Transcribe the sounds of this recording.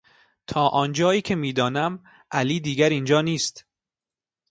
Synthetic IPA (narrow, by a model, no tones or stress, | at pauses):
t̪ʰɒːʔɒːnd͡ʒɒːiːcʰemiːd̪ɒːnæm | ʔæliːd̪iːɡæɾind͡ʒɒːniːst̪